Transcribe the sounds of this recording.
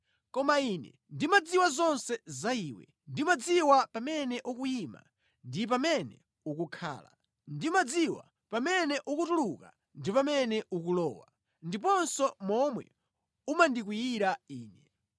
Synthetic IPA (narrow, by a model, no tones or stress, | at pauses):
kɔmaiːnɛ̰ | ndimad͡ziwazɔnsɛzaiːwɛ̰ | ndimad͡ziwapamɛnɛʔukujima̰ | ndip̬amɛnɛ̰ | ukukʰa̰ːla̰ | ndimad͡ziwa̰ | pamɛnɛʔukutuluka̰ | ndipamɛnɛukulɔ̰ːwa̰ | ndip̬ɔnsɔmɔmwɛ̰ | umandik̬wijiɾaiːnɛ